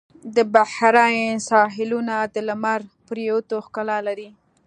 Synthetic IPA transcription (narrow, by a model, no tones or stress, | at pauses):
d̪əbahɾajesɑɦɪlunad̪əlamaɾpəɾjawt̪oxkalɑlaɾi